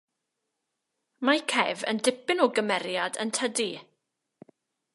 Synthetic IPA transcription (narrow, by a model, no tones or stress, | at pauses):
majkʰɛvə̰ndɪpɪnɔɡəmɛɾjadə̰ntʰədi